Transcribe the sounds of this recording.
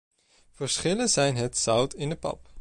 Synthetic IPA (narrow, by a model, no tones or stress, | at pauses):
vəɹsχɪlənzɛjnɦətsʌwtʰɪndəpɑ̰p